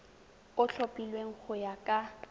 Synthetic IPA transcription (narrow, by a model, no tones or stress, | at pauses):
ʊɬʰopʼilweŋ̩k͡xʰʊjakʼa